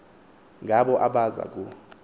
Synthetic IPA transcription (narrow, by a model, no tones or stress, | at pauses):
ŋɡʱaɓɔʔaɓaza̰k̬ʼu